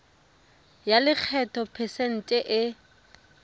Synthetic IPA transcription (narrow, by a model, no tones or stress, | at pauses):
jalɪk͡xʰɛtʰʼɔpʰɛsen̩tʼɛʔɪ